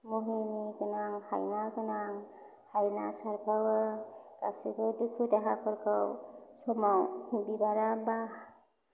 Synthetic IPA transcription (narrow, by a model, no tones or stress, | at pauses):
muɦinikɯnaŋha̰jnakɯnaŋ | hajnasaɾpʰawaɡ̥asibɯdukʰutaɦakʰɯɾkʰawsɔmawbibaɾaba